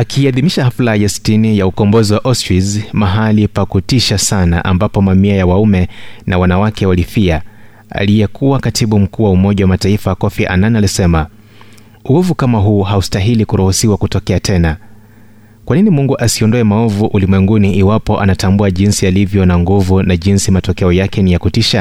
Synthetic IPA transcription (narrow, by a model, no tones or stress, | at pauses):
akʰiːaðimiʃahaflajɛsi̥tinijaukɔmbɔziwaʔɔstwizmaɦalipakutiʃasana̰ʔa̰mbapɔmamiajawaumɛnawanawakʰɛwalifia | a̰lijɛkuwakatʰiɓum̩kuːwaumɔʄawamataifawakɔfiʔa̰nanialisɛma | uuvukamaɦuːɦaustaɦilikuɾuhusiwakutɔkɛatʰɛna | kwaninimuŋɡuʔasiɔndɔɛmaɔvuʔulimwɛŋɡuniʔiwapɔʔa̰natambuaʄinsialivjɔnaŋɡuvunaʄinsimatɔkɛɔjakɛnijakutiʃa